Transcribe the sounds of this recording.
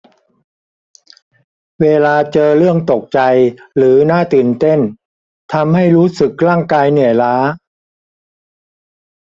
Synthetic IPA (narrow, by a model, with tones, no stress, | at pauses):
weː˧laː˧t͡ɕɤː˧ɾɯ˥˩əŋt̪o˨˩k̚t͡ɕa˧jɾɯː˩˦naː˥˩t̪ɯː˨˩nt̪e˥˩n | t̪ʰa˧mha˥˩jɾuː˦˥sɯ˨˩k̚laː˥˩ŋkaː˧jnɯ˩˦əjlaː˦˥